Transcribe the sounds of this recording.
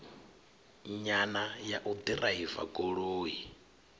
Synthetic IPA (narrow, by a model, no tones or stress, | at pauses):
ɲanajaʔud̪iraiva̰ɡoɺoːɦi